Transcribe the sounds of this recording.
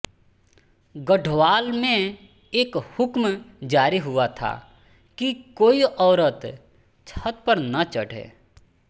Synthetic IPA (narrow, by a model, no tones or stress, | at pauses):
ɡəɖʱʋaːlmẽ | eːkhʊkmd͡ʒaːɾiɦʊat̪ʰa̰ | kikoːiʔɔːɾət̪ | t͡ʃʰət̪̚pəɾnɐt͡ʃəɽʱḛː